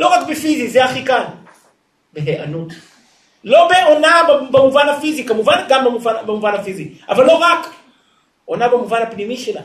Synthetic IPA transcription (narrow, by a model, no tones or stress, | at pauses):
lɔɣakpifiziziaxikan | bɛɦɛa̰nu | lɔbɛɔnababamuvanafizikamuvanaɡambamuvanabamuvanafizikavalɔɣak | ɔnabamuvanapinimiʃila̰